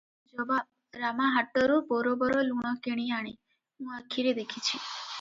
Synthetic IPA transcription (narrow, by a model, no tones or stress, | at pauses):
d͡ʒɔba | ɾamaɦaʈːɔɾubɔɾobɔɾoluɽ̃ɔkeɽ̃iaɽ̃i | ɦũakʰːiɾed̪ekʰit͡ʃʰi